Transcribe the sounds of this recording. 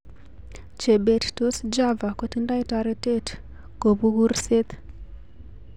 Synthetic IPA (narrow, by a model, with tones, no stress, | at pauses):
t͡ʃe˨ɓe˨tto˦si˦d͡ʒa˦va˨ku˦tinda˦i˦ta˨ɾe˨te˦t | ɡ̥o˨βu˦ɣu˦rise˦t̪